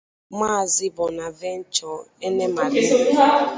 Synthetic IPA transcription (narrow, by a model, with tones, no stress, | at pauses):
maː˦˨zɪ˦bɔ˨na˨ve˦n̩˦t͡ʃɔ˨e˦ne˦ma˨ɾe˨˦